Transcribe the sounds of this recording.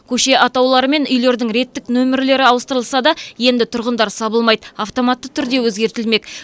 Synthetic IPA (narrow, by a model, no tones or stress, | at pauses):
kʲʰɵʃe̞ʔɑt̪ɑwlˠɑɾəme̞nʏjle̞ɾd̪ɪŋɾe̞t̪ːɪknɵmɪɾle̞ɾɪɑwəst̪əɾəlˠsɑd̪ɑje̞nd̪ɪt̪ʰʊɾʁənd̪ɑɾsɑbəlˠmɑjd̪əaft̪o̞mɑt̪ːət̪ʰʏɾd̪e̞wɵzɡʲe̞ɾt̪ɪlme̞k